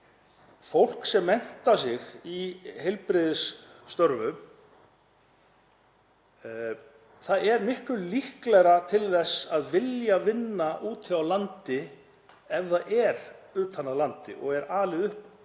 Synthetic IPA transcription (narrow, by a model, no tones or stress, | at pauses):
fowl̥ksɛmːɛn̥t̪ḁsɪɣihɛjlpɾɪðɪsːt̪œɾvʏm | θaðɛɾmɪhklʏlihklɛɾat̪ʰɪlθɛsːaðvɪljavɪnːaʔuːt̪ʰɪawlant̪ɪ | ɛvðaðʔɛɾʏːt̪ʰanalant̪ɪ̰ʔɔ̰ɣɛɾaːlɪðʏhp